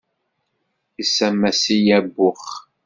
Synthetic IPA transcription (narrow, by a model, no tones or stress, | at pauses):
isæmːæsijæbːʊχ